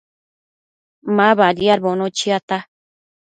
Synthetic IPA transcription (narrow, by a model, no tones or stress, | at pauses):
mãβaɾiaɾbonõt͡ʃiat̪a